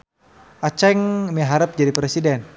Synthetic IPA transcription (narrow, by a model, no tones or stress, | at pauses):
ʔat͡ʃɛŋmeɦaɾəp̚d͡ʒadipɾesidɛn